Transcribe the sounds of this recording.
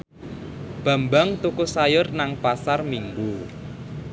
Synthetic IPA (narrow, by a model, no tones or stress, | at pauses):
b̥a̤mbaŋt̪ukusajʊrnaŋpasarmiŋɡu